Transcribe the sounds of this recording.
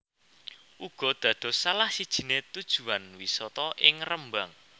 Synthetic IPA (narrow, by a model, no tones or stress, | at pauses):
ʔuɡ̥ɔ̤d̪̥ä̤d̪̥ɔ̤salahsid̥ʒ̥i̤net̪ud̥ʒ̥ṳanwisɔt̪ɔʔɪŋrəmbaŋ